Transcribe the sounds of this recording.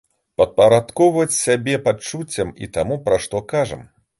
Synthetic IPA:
pɐt̪̚pɐɾat̪kɔwvɐt͡sʲsʲabʲɛpat͡ʂut͡sʲːɐmḭt̪amupɾaʂt̪ɔkaʐɐ̰m

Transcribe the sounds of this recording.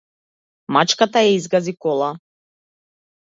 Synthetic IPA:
mat͡ʃkat̪ajaizɡazikɔlˠa

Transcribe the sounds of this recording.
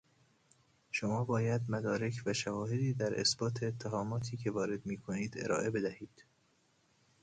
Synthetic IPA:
ʃomɒːbɒːjæd̪mæd̪ɒːɾe̞cʰvæʃævɒːhe̞d̪iːd̪æɾʔḛsbɒːt̪ʰeːt̪ʰːæɦɒːmɒːt̪ʰiːcʰe̞vɒːɾe̞d̪miːkʰoniːd̪e̞̰ɾɒ̰ːʔe̞be̞d̪æhiːd̪̥

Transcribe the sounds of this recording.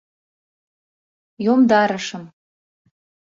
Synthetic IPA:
jomd̪ɑɾə̆ʃɤ̆m

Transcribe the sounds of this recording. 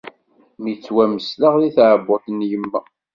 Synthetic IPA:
mit͡sːwæməslaʁðiθʕəbʊθnjəmːæ

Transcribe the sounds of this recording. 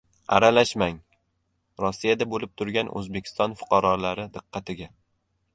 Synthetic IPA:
a̰ɾalaʃmaŋ | ɾɒsːijad̪abolɪp̚t̪ʰʊɾɡʲanʔɵ̰zbekʲʰɪ̥st̪ɒnfʊ̥qʰɑɾɒlaɾɪd̪ɨqʰːɑt̪ʰɪɡʲa

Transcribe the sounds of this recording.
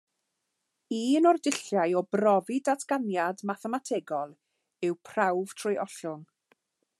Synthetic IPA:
iːnɔrdɪɬjajɔbrɔvɪdatʰɡ̥anjadmaθɛmatʰeːɡɔlˠ | ɪwpʰr̥awv̥tʰrʊjʔɔɬʊn

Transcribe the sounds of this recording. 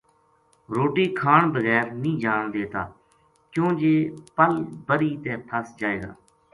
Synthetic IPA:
ɾoːʈiːkʰaːɳbəɣɛːɾnĩːd͡ʒaːɳd̪eːt̪a̰ː | kjõːd͡ʒeːpəlbəɾiːt̪ɛ̃ːpʰəsd͡ʒaːeːɡa̰ː

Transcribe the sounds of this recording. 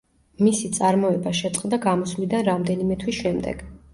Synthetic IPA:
misit̪sʼaɾmɔɛbaʃɛt̪sʼqʼd̪aɡamɔslid̪anɾamd̪ɛnimɛt̪ʰwisʃɛmd̪ɛ̰ɡ̥

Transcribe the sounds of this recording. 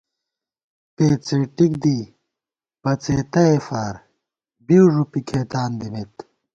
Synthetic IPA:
peːt͡siʈik̚d̪i | b̥ɐt͡seːt̪ɐefaːɾ | biwʐupikʰeːt̪aːnd̪imet̪

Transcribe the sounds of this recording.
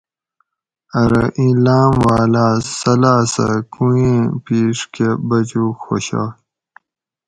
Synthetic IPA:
ɐɾɐʔĩlaːmwaːlaːsɐlaːsa̰kũẽːpiːʂkebɐd͡ʑuːxo̰ɕa̰ː

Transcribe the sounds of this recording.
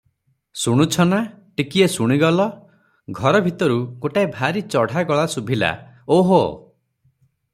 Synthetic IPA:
suɽ̃ut͡ʃʰɔna | ʈikiesuɽ̃iɡɔlɔ | ɡʱɔɾɔbʱit̪ɔɾukoʈaebʱaɾit͡ʃɔɽ̤ʱaɡɔɭasubʱila̰oɦo

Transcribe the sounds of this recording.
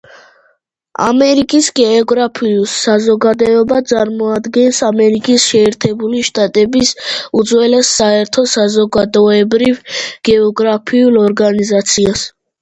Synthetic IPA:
a̰mɛɾikʼisɡɛɔɡɾapʰiusːazɔɡad̪ɔɔbat̪sʼaɾmɔad̪ɡɛnsamɛɾikʼisʃɛːɾt̪ʰɛbuliʃt̪ʼat̪ʼɛbisud̪zwɛlɛsːaɛɾt̪ʰɔsazɔɡad̪ɔɛbɾivɡ̥ɛɔɡɾapʰiulˠɔɾɡanizat̪sʰias

